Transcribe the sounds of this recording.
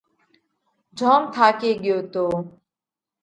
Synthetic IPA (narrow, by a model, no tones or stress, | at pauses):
d͡ʒʱoːmt̪ʰaːkeːɠɪjoːt̪oː